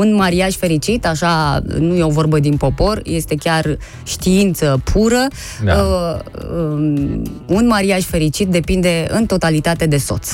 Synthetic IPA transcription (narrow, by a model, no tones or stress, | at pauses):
unmaɾiaʃfe̞ɾit͡ʃit̪aʃanuje̞o̞vo̞rbəd̪inpo̞po̞rje̞st̪e̞kʲar | ʃt̪iint̪səpʰuɾə | unmaɾiaʃfe̞ɾit͡ʃit̪̚d̪e̞pind̪e̞ɨnt̪o̞t̪alit̪at̪e̞d̪e̞so̞̰t̪s